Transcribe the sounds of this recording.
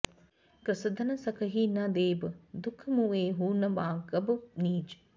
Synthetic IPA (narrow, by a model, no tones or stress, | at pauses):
kɾəsɐd̪ɐnɐsɐkɐɦinad̪eːbəd̪ukʰːɐmueːɦuːnɐʋaːɡɐbəniːd͡ʒi̥